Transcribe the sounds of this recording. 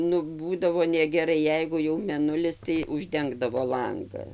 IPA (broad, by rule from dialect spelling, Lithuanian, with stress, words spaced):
nʊ ˈbuːdɐʋoː nʲɛɡʲɛˈrɐɪ ˈjɛɪɡʊ jɛʊ mʲɛˈnʊlʲɪs tɐɪ ʊʒʲˈdʲɛŋɡdɐʋoː ˈlˠɐŋɡɐ